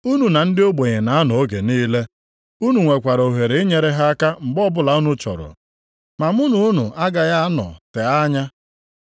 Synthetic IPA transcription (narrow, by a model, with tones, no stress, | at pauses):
u˦nu˨na˨n̩˦dɪ˦o˦ɡ͡be˨ɲe˨na˨a˦nɔ˨o˦ɡe˨niː˦le˦ | u˦nu˨ŋʷe˨kʷa˨ɾo˨ɦe˨ɾe˨e˦ɲe˨ɾe˦ɦa˦a˦ka˦m̩˨ɡ͡bɔ˦bʊ˦la˨u˦nu˦t͡ʃɔ̰˨ɾɔ̰˨ | ma˨mu˦nu˨u˦nṵ˨a˦ɡa˨ja˦nɔ̰˨te˨a˦ɲa˦